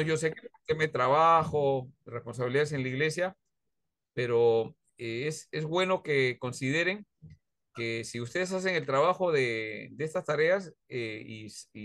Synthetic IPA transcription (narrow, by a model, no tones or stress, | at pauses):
oʝo̞s̬e̞keut̪emaðet̪ɾaβaxo̞respo̞ns̬aβiliðaes̬e̞nlaiɣle̞sja | pe̞ɾo̞ | eesezβwe̞no̞ke̞ko̞nsiðe̞ɾe̞ŋ | kesiust̪e̞ð̞es̬as̬eŋe̞lt̪ɾaβaxo̞ðed̪eest̪ast̪aɾe̞aseisi